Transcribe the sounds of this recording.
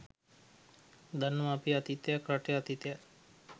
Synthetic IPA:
d̪anʋapiat̪it̪jakɾaʈeat̪it̪eja

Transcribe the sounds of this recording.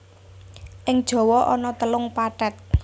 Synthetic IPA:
ʔɪŋd̥ʒ̥ɔ̤wɔʔɔnɔt̪əlʊŋpaɖɛt̪̚

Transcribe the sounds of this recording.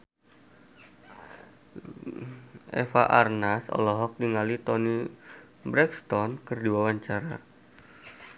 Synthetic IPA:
ʔɛ̰fa̰ʔarnasɔ̰lɔɦɔk̚diŋalit̪ɔni | bɾɛkst̪ɔnkərdiwawaɲt͡ʃaɾa

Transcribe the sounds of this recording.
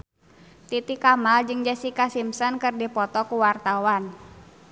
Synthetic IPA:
t̪it̪ikamald͡ʒɨŋd͡ʒasikasimsɔnkɨrdipɔt̪ɔkuwart̪awan

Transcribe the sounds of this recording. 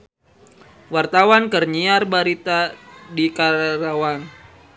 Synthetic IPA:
wart̪awankərɲiarbaɾit̪adikaɾawan

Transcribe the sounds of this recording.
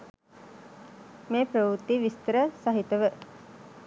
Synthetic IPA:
meːpɾəʋut̪ːiʋist̪əɾəsaɦit̪əʋə

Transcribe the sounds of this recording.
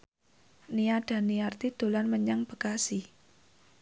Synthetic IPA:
niaɖ̥a̤niart̪id̪̥o̤lanməɲaŋb̥ə̤kasi

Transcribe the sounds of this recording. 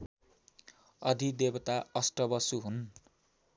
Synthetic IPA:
ʌd̪ʱid̪ebʌt̪aʌsʈʌbʌsuɦun

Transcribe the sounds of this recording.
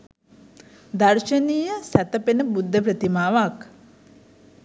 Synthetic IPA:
d̪ɐrʃəniːjəsæt̪əpenəbud̪ʱːəp̬ɾət̪imaːʋak

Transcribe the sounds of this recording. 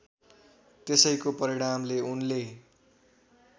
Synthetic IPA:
t̪esʌjkopʌɾiɽ̃amleunle

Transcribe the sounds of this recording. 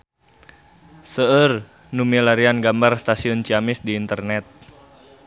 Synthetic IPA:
səər | numilaɾianɡambarst̪asiʊnt͡ʃiamɪsdiːnt̪ərnɛt̪̚

